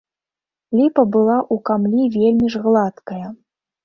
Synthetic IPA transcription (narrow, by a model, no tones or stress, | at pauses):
lʲipɐbɨlˠaʔukamlʲivʲelʲmʲiʐɣlˠat̪kɐjɐ